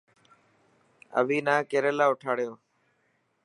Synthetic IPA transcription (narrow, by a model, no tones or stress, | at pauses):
ə̰ʋiːnaːkeːɾeːlaːʊʈʰaːɽɪjoː